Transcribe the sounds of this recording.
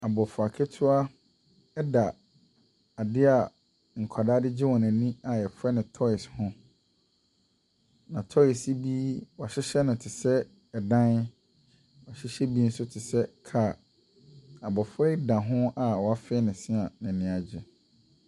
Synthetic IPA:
a˨bɔ˨fʊ˨a˨kʰɛ˦tʰʊ˦a˦ | ɛ˦da˨ | a˨dɪ˦a˨ | ŋ̩˨kʷʰa˨daː˦dɪ˦d͡ʑɪ˦wɔ̃˨næ̃˨nĩ˦a˨ɛ˨fɛ˦nʊ̃˨tʰɔ˦ɪ˨shʊ̃˦ | nã˨tʰɔ˦ɪ˨si˦bi˦wa˨ɕɪ˦ɕɛ˦nʊ̃˨tʰɪ˨sɛ˦ | ɛ˨dã˦n | wa˨ɕɪ˦ɕɛ˦bi˦n̩˦sʊ˦tʰɪ˨sɛ˦kʰa˨ | a˨bɔ˨fɛ˦dã˨ɦʊ̃˦a˨wɔ˨a˦fɪ˦ɛ˦nɪ̃˨sɪ̃˦a˨nɛ̃˨nɪ̃˦a˨d͡ʑɪ˦

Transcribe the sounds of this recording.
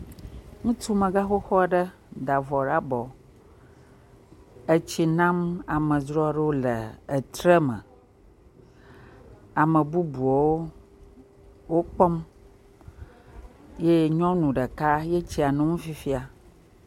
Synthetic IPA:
ŋũ˦t̪u˦mə̃˨ɡa˦xo˦xɔ˦ɖə˦ | d̪a˨vɔ˨ɖa˦bɔ˨ | ə˦t͡ɕi˨nã˦ma˨mə̃˨d͡ʒɾɔ˦ɖə˦wo˦lə˨ə˨t̪ɾə˦mə̰̃˨ | a˨mə˨bu˦bu˨ɔ˨wo˦ | wo˦k͡pɔ˦m | je˦ɲɔ̃˦nũ˨ɖə˨ka˦je˦t͡ɕi˦a˨nũ˦ŋũ˦fi˦fi˦a˨

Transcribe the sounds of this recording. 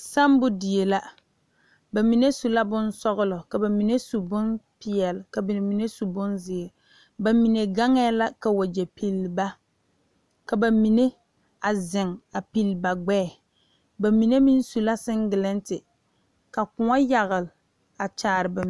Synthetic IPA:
sa˦mbʊ˦di˨e˨la˦ | ba˨mi˨ne˦su˨la˦bʊ˦nsɔ˦ɣʊ˦lɔ˨ka˨ba˨mi˨ne˦su˨bʊ˦npɪ˨ɛ˨lɪ˨ka˨bmi˨ne˦su˨bʊ˦nzɪ˨e˨ | ba˨mi˨ne˨ɡa˦ŋɛː˦la˦ka˨wa˨d͡ʒɛ˨pʰi˨lba˦ | ka˨ba˨mi˨ne˦ | a˨zɪ˨ŋa˨pi˨lba˨ɡ͡bɛː˦˨ | ba˨mi˨ne˦mi˦n˦su˨la˦sɪ˦ŋɡɪ˨lɪ˦ntɪ˨ | ka˨kʊ˨ŋa˦ja˨ɣɪ˨lɪ˨ | a˨t͡ʃaː˨ɾɪ˨ba˨

